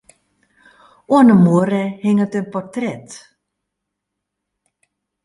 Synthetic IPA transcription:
uənəmuəɾəhɪŋətønpɔrtrɛt

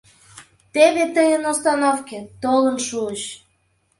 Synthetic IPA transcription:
t̪eβet̪əjənost̪ɑnofkʲet̪olənʃuəɕ

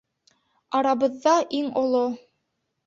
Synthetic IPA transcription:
ɑɾɑβɤ̆ðːɑʔiŋŏlˠo

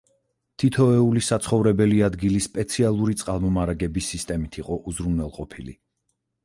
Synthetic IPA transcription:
t̪ʰit̪ʰɔɛulisat̪sʰχɔvɾɛbɛliad̪ɡilisːpʼɛt̪sʰialˠuɾit̪sʼqʼalˠmɔmaɾaɡɛbisːist̪ʼɛmit̪ʰiqʼɔʔuzɾunwɛlˠqʼɔpʰilḭ

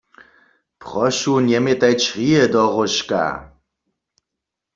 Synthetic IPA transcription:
pʁɔʃunjɛmɛt̪ajt͡ʃʁiɛd̪ɔɣɔʃka̰

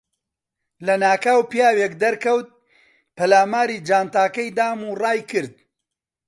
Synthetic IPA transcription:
lɐnaːkaːwpijaːwekd̪ɐɾkɐwt̪̚ | pɐlaːmaːɾiːd͡ʒaːnt̪aːkɐjd̪aːmurɑːjkɨɾd̪̚

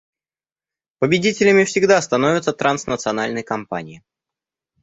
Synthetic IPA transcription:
pəbʲɪdʲitʲɪlʲɪmʲɪfsʲɪɡd̪ast̪ɐnovʲɪt̪sət̪ɾʔansnət̪sɨɐnalʲnəjkɐmpa̰nʲɪjɪ

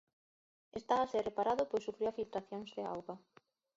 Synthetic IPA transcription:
est̪aβaserepaɾaðʊpojsufɾiuwafilt̪ɾaθjoŋzðea̰wɣa

